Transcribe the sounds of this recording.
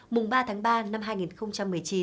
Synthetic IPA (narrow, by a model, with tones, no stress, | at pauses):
mʊ˨˩ŋ͡mɓaː˧t̪ʰaː˨˦ŋɓaː˧na˧mɦaː˧jŋi˨˩nxə˧wŋ͡mt͡ɕa˧mːɨ˨˩əjt͡ɕi˨˦